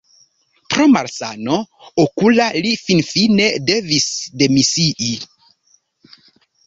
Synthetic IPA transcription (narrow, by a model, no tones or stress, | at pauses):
pɾomaɾsa̰no | okulalifinfine̞de̞visde̞misiʔi